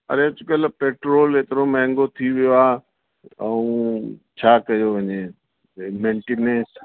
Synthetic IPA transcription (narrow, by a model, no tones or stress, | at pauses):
ə̰ɾet͡ʃʊkəlpeːʈɾoːleːt̪ɪɾomɛ̃ɦŋɡot̪ʰiʋɪjoaː | əũːt͡ʃʰaːkɐjoʋəɲeː | mẽːɳʈenẽːs